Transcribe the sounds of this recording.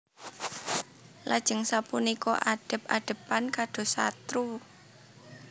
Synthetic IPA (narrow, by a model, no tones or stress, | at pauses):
lʔad̥ʒ̥ə̤ŋsapunikɔ̰ʔaɖ̥ə̤p̚aɖ̥ə̤pːankaɖ̥o̤sa̰t̪ɾu